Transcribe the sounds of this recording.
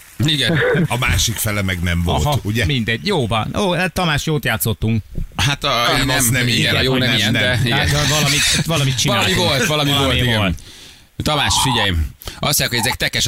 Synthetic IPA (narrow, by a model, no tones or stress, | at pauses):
iɡɛnɒmaːʃikfɛlɛmɛɡnɛɱvolɦtuɟɛmind̪ɛɟjoːvɒnjoːt̪ɒmaːʃjoːt̪jaːt̪so̞t̪ːuŋkhat̪ɛnɛmiɛjoonɛnnɛɛiɡɛd̪ɛvɒlɒmit̪ʋɒlɒmit̪t͡ʃinaːmivolt̪vɒlɒmiloltiiɛlt̪ | t̪ɒmaːʃfiɟɛjimɒsojakho̞ɟɛzɛk̚t̪ɛkɛʃ